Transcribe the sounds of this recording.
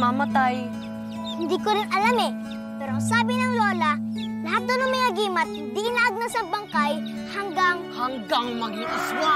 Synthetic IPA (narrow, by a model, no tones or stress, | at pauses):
mamɐt̪aj | hɪnd̪iːkoɾɪnɐlamɛ | pɛːɾoʔɐŋsaːbɪnɐŋloːlɐ | lɐɦat̪̚nonoŋmɐjaɡiːmɐt̪̚hɪnd̪iʔɪnaʔaɡ̚nasɐbɐŋkaj | hɐŋɡaŋhɐŋɡaŋmɐɡiʔɪswa